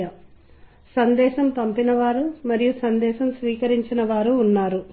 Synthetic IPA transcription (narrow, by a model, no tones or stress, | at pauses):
ɐ | sɐnd̪ɛːʃɐmpɐmpinɐʋaːɾumɐɾijusɐnd̪ɛːʃɐmsʋiːkɐɾiɲt͡ʃinɐʋaːɾuːnːaːɾu